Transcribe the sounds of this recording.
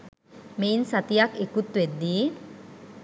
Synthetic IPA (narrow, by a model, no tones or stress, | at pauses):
meinsat̪ijakekut̪ʋed̪ːiː